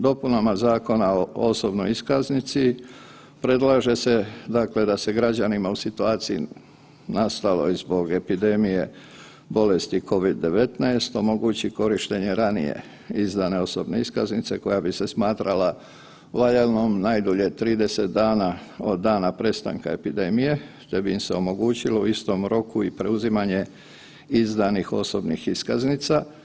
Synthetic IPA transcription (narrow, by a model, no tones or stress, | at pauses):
d̪o̞punamazaːko̞naooso̞bnojiskaznit̪si | pɾe̞d̪laʒe̞se̞d̪akle̞d̪ase̞ɡɾad͡ʑanimausit̪uaːt̪sijḭ | nast̪alo̞̰jzbo̞ɡe̞pid̪e̞mije̞ | bo̞le̞st̪iko̞ʋid̪ːe̞ʋe̞t̪najst̪o̞mo̞ɡut͡ɕiko̞ɾiʃt̪e̞ɲe̞ɾanḭje̞̰ | izd̪ane̞o̞so̞bne̞iskaznit̪se̞ko̞jabise̞smaːt̪ɾala | laʎelˠnomnajd̪oʎet̪ɾiːd̪eset̪̚d̪aːnao̞d̪ːaːnapɾe̞st̪a̰ŋkae̞pid̪e̞mije̞ | t̪e̞biimseo̞mo̞ɡuːt͡ɕilo̞uist̪o̞mɾo̞kuipɾe̞uzimaɲe̞ | izd̪anixo̞sobnixiskaznit̪sa